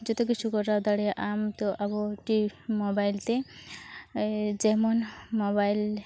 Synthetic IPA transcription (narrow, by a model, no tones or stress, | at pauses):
d͡ʒɔt̪ɔk̬it͡ʃʰukɔʈad̪aɽɛjaʔamt̪ɔʔabɔʈimobajlt̪e | d͡ʒɛmɔnmɔbajl